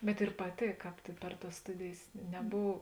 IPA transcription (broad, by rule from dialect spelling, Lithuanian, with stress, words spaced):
bʲɛt ɪr pɐˈtʲeːk ˈkɑːp tʲɪ pʲɛr tɐs ˈstʊdʲeːjeːs nʲɛˈboːw